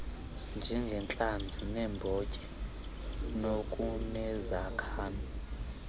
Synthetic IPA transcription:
nd͡ʒʱɛŋɡʱɛnt͡ɬʼand͡zʱinɛmbʱɔcʼɛ | nokʼunɛzakʰaːna

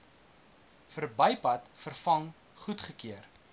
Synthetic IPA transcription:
fərbɐjpɐtfərfɐŋ | χutχəkiər

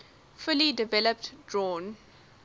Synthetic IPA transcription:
fʊlidɪvɛləp̚tdɹɔ̃ːn

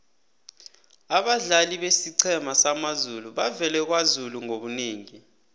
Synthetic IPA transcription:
aɓaɮaliɓesiǀʰɛmasamazuluɓavɛlɛk̬wazuluŋoɓuniːŋi

